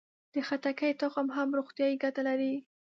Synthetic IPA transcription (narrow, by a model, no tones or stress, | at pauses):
d̪̥əxat̪akəjt̪oxamɦamɾoxt̪jɑjiɡat̪alaɾi